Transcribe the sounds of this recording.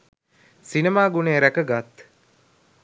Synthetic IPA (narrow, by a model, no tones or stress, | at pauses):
sinemaːɡuneːɾækəɡat̪